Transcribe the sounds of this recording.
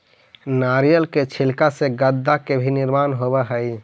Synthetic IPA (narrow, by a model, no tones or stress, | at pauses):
naɾijəlket͡ʃʰilkaseɡəd̪ːakebʱiniɾmanɦobɛɦəj